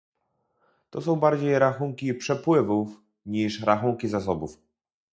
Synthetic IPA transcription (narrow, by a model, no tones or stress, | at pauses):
t̪ɔsɔ̃w̃baɾd͡ʑejɾaxuŋkʲipʂɛpwɘvuf | ɲiʂɾaxuŋkʲizas̬ɔbuf